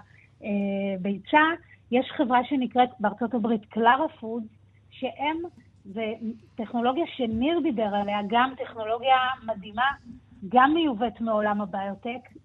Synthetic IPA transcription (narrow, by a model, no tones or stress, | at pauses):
ebejt͡sa | jeʃχe̞vʁaʃe̞nikʁetbeaʁt͡so̞tabʁitklaʁafud | ʃe̞ʔem | veteχno̞lo̞ɡjaʃe̞niʁd̪ibe̞ʁale̞aɡamte̞χno̞lo̞ɡjamad̪imaɡamːejuvetmeo̞lamabaːjotek